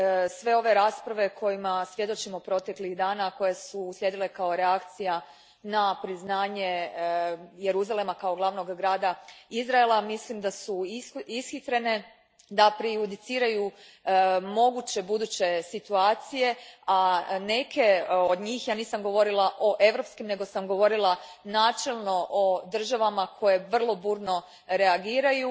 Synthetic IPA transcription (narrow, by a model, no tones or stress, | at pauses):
sʋe̞o̞ʋe̞ɾaːspɾaʋe̞kʰo̞jimasʋje̞d̪o̞t͡ʃimopɾo̞t̪e̞kliɣd̪aːnako̞jesuːslʲje̞d̪ile̞kao̞ɾeakt̪sija | napɾiznaːɲe̞ | je̞ɾuzale̞makao̞ɡlˠaʋno̞ɡɡɾaːd̪aizɾaelˠamislimd̪asuisxit̪ɾe̞ne̞ | d̪apɾijud̪it̪siːɾaju | mo̞ɡut͡ɕe̞bud̪uːt͡ɕe̞sit̪uaːt̪sije̞ane̞ke̞od̪ɲiːxjaːniːsamɡo̞ʋo̞ɾilˠaʔo̞ʔe̞ʋɾo̞pskimne̞ɡo̞samɡo̞ʋo̞ɾilˠa | naːt͡ʃe̞lˠno̞ʔod̪r̩ʒaʋamakʰo̞je̞ʋr̩lˠo̞buːɾno̞ | ɾe̞aɡiːɾaju